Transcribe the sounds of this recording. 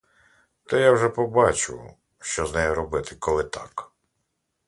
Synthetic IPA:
t̪ɔjawʒɛpɔbɑt͡ʃʊ̰ | ʃt͡ʃɔznɛjɔɾɔbɪt̪ɪkɔlˠɪt̪ʰɑk

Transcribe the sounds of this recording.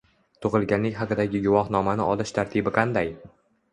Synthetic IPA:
t̪ʰʊʁɨlˠɡʲanlɪkʲhɑqɨd̪aɡʲɪɡʊwɒχnɒmanɪʔɒlɪʃt̪ʰaɾt̪ʰibɪqʰɑnd̪aj

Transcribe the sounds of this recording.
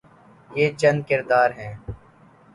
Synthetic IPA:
jeːt͡ʃən̚kɪɾd̪aːɾɦɛ̃ː

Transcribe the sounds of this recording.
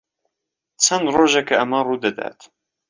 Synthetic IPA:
t͡ʃʰɐnd̪roːʒɛkʰɐʔɐmaruːd̪ɐd̪a̰ːt̪

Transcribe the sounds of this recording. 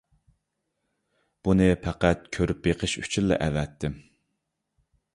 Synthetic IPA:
b̥unɨpʰæqæt̪̚kʲʰøɾyp̚beqʰəʃy̰̥t͡ʃʰyllːɛ̰ʔɛvɛt̪ʰːɪm

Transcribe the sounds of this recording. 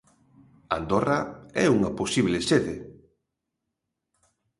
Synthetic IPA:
a̰nd̪oraɛuŋɐposiβleseðe

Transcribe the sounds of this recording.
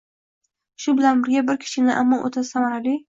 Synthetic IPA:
ʃʊbɪlanbɪɾɡʲabɪɾkʲʰɪ̥ʃɪnɪʔa̰mːɒʔo̰t̪ʰasamaɾali

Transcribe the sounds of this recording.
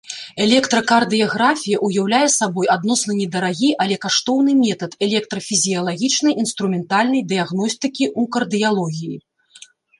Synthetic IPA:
ɛlʲɛkt̪ɾɐkard̪ɨjɐɣɾafʲijɐʔujawlʲajɛsabɔjad̪nɔsnɐnʲɛd̪ɐɾaɣʲiʔɐlʲɛkaʂt̪ɔwnɨmʲɛt̪ɐt̪ɛlʲɛk̚t̪ɾɐfʲizʲijɐlˠaɣʲit͡ʂnɐjinst̪ɾumʲɛnt̪alʲnɐjd̪ɨjaɣn̪ɔsʲt̪ɨkʲiʔukɐrd̪ɨjalˠɔɣʲiji

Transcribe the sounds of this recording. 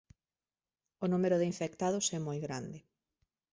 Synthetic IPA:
ʊnumeɾʊðeiɱfek̚t̪aðʊsɛmojɣɾand̪ɪ

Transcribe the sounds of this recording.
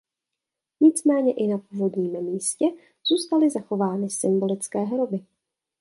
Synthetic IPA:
ɲɪt͡smɛːɲɛʔɪnapuːvo̞dɲiːmmiːscɛ | z̥uːst̪alɪzaxo̞vaːnɪsɪmbo̞lɪt͡skɛːɦɾobɪ

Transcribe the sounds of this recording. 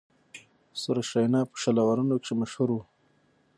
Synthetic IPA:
soɾaʃajnɑːpə̥ʃalawaɾunokʂemaʃhuɾu

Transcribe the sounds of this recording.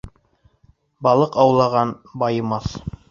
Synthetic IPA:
bɑlˠɤqɑwlˠɑʁɑnbɑjɤ̆mɑθ

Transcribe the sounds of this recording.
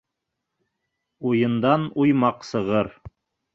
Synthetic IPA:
ujɤ̆nd̪ɑnujmɑqsɤ̆ʁɤɾ

